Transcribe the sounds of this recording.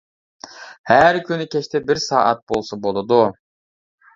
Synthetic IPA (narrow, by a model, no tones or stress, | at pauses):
hæɾkʲynɪkʲʰɛt͡ʃt̪ʰɛbɪɾsɑːʔɑt̪̚bolˠsɑbolˠɨd̪u